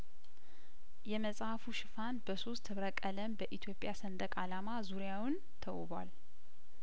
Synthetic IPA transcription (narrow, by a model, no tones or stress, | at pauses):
jɛməsʼhafuʃɪfanbəso̞st̪ʰːɨβɾəkʼələmbəʔit̪ʰjo̞pʼːjasənd̪əkʼalamazuɾjawʊn | t̪ʰəwṵbwa̰l